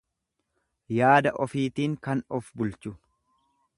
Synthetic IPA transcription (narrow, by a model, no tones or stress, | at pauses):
jaːd̪ɐʔɔfiːt̪iːŋkɐnɔfbʊlt͡ʃʊ